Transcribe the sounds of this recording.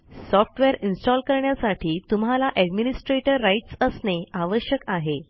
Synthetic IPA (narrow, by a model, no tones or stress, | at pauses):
sɔfʈʋeɾinsʈɔlkəɾɳjasaʈiːt̪umɦalaʔɛɖminisʈɾeʈəɾːaiʈsəsneaʋəɕjəkaɦe